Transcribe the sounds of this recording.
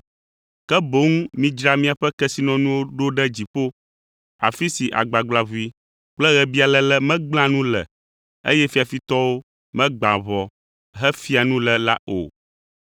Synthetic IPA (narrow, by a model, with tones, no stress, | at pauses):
kɛ˦bo˦ŋ˦mĩ˦d͡ʒɾa˦˨mĩ˦a˨ɸɛ˦kɛ˦si˨˦nɔ̃˨nũ˦wo˦ɖo˦ɖɛ˦d͡ʑi˨ɸo˦ | a̰˨fi˦si˨ʔa̰˨ɡ͡ba˨ɡ͡bla˨βu˦i˦ | k͡plɛ˦ɣɛ˨bi˦a˨lɛ˦lɛ˦mɛ̃˦ɡ͡bl̃ã˦nũ˦lɛ̰˨ | ḛ˦jɛ˦fi˦a˨fi˦t̪ɔ˦wo˦ | mɛ̃˦ɡ͡ba̰˨βɔ˨ | ɦɛ˦fi˦a˨nũ˦lɛ˨la̰˦ʔo̰˨